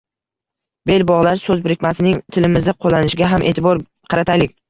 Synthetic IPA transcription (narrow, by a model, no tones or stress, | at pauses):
be̞lbɒʁlˠaɾsɵzbɾɪkʲmasɪnɪŋt̪ʰɪlɪmɪzd̪aqʰolˠːanɪʃɪɡʲaɦamʔe̞ːt̪ʰɪbɒɾ | qʰɑɾat̪ʰajlɪkʲ